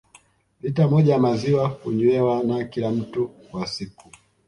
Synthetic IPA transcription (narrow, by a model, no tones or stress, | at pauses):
lit̬amɔʄajamaziwakuɲuɛwanakilam̩tu | wasiku